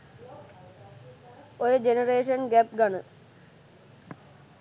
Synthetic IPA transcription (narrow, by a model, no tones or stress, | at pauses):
oɾɨd͡ʑenɐreːʂɐnɡɛp̚ɡɐɳɨ